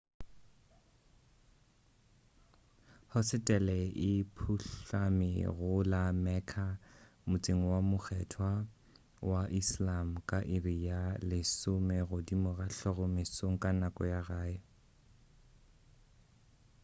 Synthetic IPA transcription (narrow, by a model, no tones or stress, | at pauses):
hʊsɪtʼɛlɛʔɪpʰuɬamɪ̰ɣʊlamɛkʰa | mʊt͡sʼeŋ̩wamʊk͡xʰɛtʰwa | waʔislam̩kʼaʔɪrijalɪsʊmɛɣʊdimʊɣaɬɔɣɔmɪsoŋ̩kʼanakʼɔ̰jaɣaːɛ